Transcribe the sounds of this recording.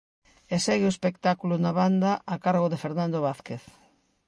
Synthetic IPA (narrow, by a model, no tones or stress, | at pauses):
esɛɣeoespekt̪akulonaβand̪aʔakaɾɣoðefeɾnãnd̪oβ̞aθkeθ